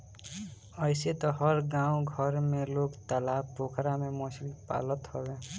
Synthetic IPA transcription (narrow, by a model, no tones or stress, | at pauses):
ʌjset̪ʌɦʌɾɡãw̃ɡʱʌɾmelokt̪alabpokʰɾamemosilpa̰lʌt̪hʌbe